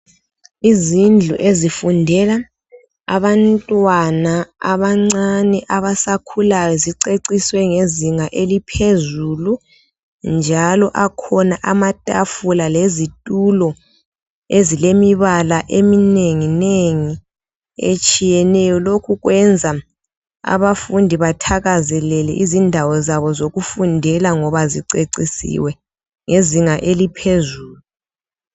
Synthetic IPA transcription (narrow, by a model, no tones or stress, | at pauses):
izind͡ɮʱuʔezifundʱɛla | a̰βantʼwanaaβaŋ͡ǀanɛʔaβasakʰulajɔziǀeǀiswɛŋeziŋaʔelipʰezulu | nd͡ʒʱalɔʔakʰɔnaʔamatʼafulalezitʼulɔ | ezilemiβalaʔemineŋineŋi | ḛt͡ʃʼijɛnɛjɔlokʰuɣwɛnd͡zʱa | a̰βafundʱiβatʰaɣazɛlɛlɛ̰ʔizindʱawɔzaβɔzoɣufundʱɛlaŋɔβaziǀeǀisḭwɛ | ŋeziŋaʔelipʰezuːlu